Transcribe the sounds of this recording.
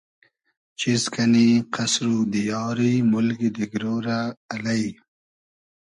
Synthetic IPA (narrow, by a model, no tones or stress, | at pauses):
t͡ʃiskʰaniqasɾud̪əjɑːɾimʊlɡid̪ɪɡɾoːɾaːlaj